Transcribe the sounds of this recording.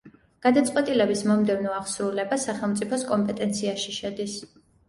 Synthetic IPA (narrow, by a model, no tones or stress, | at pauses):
ɡ̥ad̪at̪sʼqʼwɛt̪ʼilɛbismɔmd̪ɛvnɔaʁsɾulɛbasaχɛlˠmt̪sʼipʰɔskʼɔmpʼɛt̪ʼɛnt̪sʰiaʃiʃɛd̪is